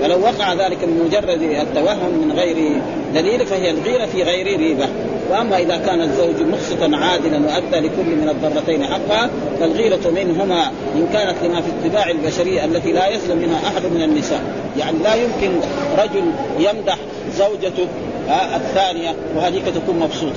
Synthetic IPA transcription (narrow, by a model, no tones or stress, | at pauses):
walawːɑqɑʕaðaːlɪkmɪnmʊd͡ʒɑrˤːɑd̪at̪ːawaɦːʊmːɪnɣajɾi | d̪aliːlfahijalɣiːɾafiɣajɾiɾiːba | wɪʔamːaʔɪðakaːnat̪zːawd͡ʒmʊxsˤɨt̪ɑnʕaːd̪ɪlanwaʔad̪ːaːlɪkʊlːmɪnɑd̪ˤːɑrˤːɑt̪ajnħɑqːɑha | falɣiːɾat̪mɪnɦʊma | ʔɪnkaːnat̪limafit̪ˤːɪbaːʕalbaʃaɾɪjːaʔalːat̪ilaːjaslamːɪnhaʔaħad̪mɪnanːɪsa̰ːʔ | jaʕnilaːjʊmkɪnɾˤɑd͡ʒʊljamd̪aħ | zawd͡ʒat̪u | ʔaθːaːnɪja | wɪhaːd̪iːkat̪akuːnmɑbsˤuːt̪ˤɑ